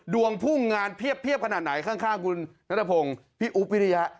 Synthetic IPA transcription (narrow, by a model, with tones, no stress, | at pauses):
du˧˩əŋpʰuː˥˩ŋaː˧npʰi˥˩əpʰːi˥˩əp̚kʰa˧naː˨˩t̪̚na˩˦jkʰaː˥˩ŋkʰaː˥˩ŋkʰu˧nːa˦˥t̪ʰːa˧pʰo˧ŋpʰiː˥˩ʔu˦˥p̚wi˦˥ɾi˦˧ja˦˥ʔ